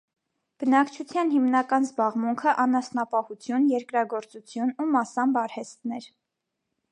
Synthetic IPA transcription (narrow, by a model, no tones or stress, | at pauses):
b̥ənɑkt͡ʃʰut͡sʰjɑnhimnɑkɑnzbɑʁmuŋkʰəʔɑnɑsnɑpɑhut͡sʰjunjɛɾkɾɑɡɔɾt͡sut͡sʰjunumɑsɑmbɑɾhɛst̪nɛɾ